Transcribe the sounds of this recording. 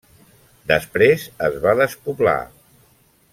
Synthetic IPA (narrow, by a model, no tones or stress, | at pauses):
d̪əspɾezəzβaðəspupla̰